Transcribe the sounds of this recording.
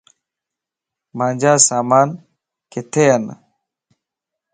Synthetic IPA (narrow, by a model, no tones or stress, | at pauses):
maːnd͡ʑaːsaːmaːn | kit̪ʰejɐn̰